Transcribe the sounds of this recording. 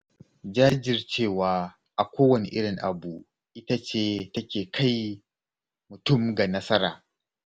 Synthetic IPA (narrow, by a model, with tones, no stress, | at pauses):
d͡ʒaː˦d͡ʒɪ˨rt͡ʃeː˦˨waː˨ | ʔa˨kʷoː˦wɐ˨nḛ˨ʔɪ˦ɽɪ˨ŋʔa˨bu˨ | ʔɪ˦ta˦t͡ʃeː˦tɐ˦kʲeː˨kʰa˦˨j | mʊ˨tʊ˦˨mɡa˨nɐ˦sɐ˦ɾaː˨